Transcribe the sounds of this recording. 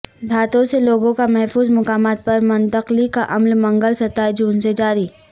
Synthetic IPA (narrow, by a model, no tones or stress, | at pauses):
bʱaːt̪õseloːɡõkamɛɦfuːzmʊkaːmaːt̪̚pɐɾmɐ̃nt̪əqlikaʔɐmlmɐ̃ŋɡəlsɐt̪aːjd͡ʒuːnsed͡ʒaːɾiː